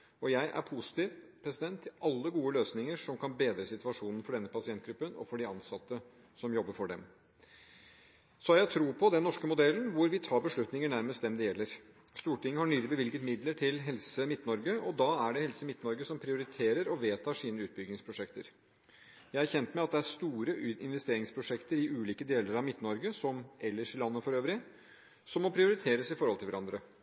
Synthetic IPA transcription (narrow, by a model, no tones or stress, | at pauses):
ɔjæɪʔæ̰ɾpʰʊsɪ̥t̪ɪːʋpʰɾɛsɪd̪ɛnt̪ʰːɪlʔɑlːəɡuːəløːsnɪŋəʂɔmkʰɑnbeːd̪ɾəsɪt̪ʉɑʂuːnən̩fɔɖɛnːəpʰɑsɪɛnt̪̚ɡɾʉpːənɔ̰fɔɖɪɑnsɑt̪ːə | sɔmjɔbːəɾfɔɖɛm | sɔhɑɾjæɪt̪ʰɾuːpʰɔd̪ɛnːɔʂkəmʊd̪ɛlːnʋʊɾʋɪt̪ʰɑːɾbəʂɭʉt̪nɪŋəɳæɾməst̪d̪ɛmd̪ɛjɛlːəɾ | st̪uːʈɪŋːəhɑɳyːlɪbəʋɪlɡət̪mɪd̪ləʈʰɪlɦɛlsəmɪt̪ːnɔɾɡəɔd̪ɑæɖɛhɛlsəmɪt̪nɔɾɡəsɔmpʰɾɪʊɾɪt̪ʰeːɾəɾɔʋeːt̪ʰɑːʂiːnəʉːt̪̚bʏɡnɪŋspʰɾʊʂɛkt̪əɾ | jæɪæɾçɛnt̪mɛɪɑt̪̚d̪ɛæɾʂt̪uːɾəɪnʋɛst̪eːɾɪŋspʰɾʊʂɛkt̪əɾɪʔʉːliːkəd̪eːləɾɑʋmɪt̪nɔɾɡəsɔmɛlːəʂɪlɑnːəfɔɾøːʋɾɪ | sɔmːɔpʰɾɪʊɾɪt̪ʰeːɾəsɪfɔɾhɔlt̪ɪʋæɾɑnd̪ɾə